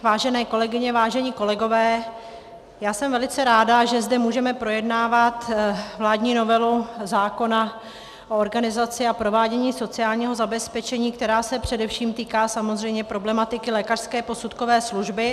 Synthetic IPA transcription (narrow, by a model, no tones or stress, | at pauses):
vaːʒɛnɛːko̞lɛɡɪɲɛvaːʒɛɲiːko̞lɛɡo̞vɛː | jaːsɛmvɛlɪt͡sɛɾaːdaʒɛzdɛmuːʒɛmɛpɾo̞jɛdnaːvat̪vlaːdɲiːno̞vɛluzaːko̞na | ʔooɾɡanɪzat͡sɪapɾo̞vaːɟɛɲiːso̞t͡sɪaːlɲiːɦo̞zabɛspɛt͡ʃɛɲiːk̚t̪ɛɾaːsɛpr̝̥ɛdɛfʃiːmt̪iːkaːsamozr̝ɛjmɲɛpɾo̞blɛmat̪ɪkɪlɛːkar̥skɛːpo̞sut̪ko̞vɛːsluʒbɪ